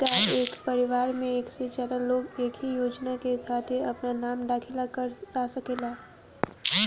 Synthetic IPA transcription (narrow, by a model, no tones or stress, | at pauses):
kaeːkpɐɾɪʋaːɾmẽeːksed͡ʒjaːd̪aloːɡeːkʰɦijoːd͡ʒnakekʰaːt̪ɪɾɐpnanaːmd̪aːkʰɪlakɐɾɾasɐkelaː